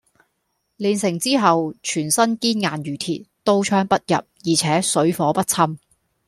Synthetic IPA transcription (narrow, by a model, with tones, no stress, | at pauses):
liː˨nsɪ˨˩ŋt͡siː˥ɦɐ˨wt͡ʃʰyː˨˩nsɐ˥nkiː˥nŋaː˨njyː˨˩t̪ʰḭ˨˩t̚t̪o˥wt͡ʃʰœː˥ŋpɐ˥t̚jɐ̰˨p̚jiː˨˩t͡sʰɛː˨˥sɵ˨˥ɥfɔː˨˥pɐ˥t̚t͡sʰɐ˥m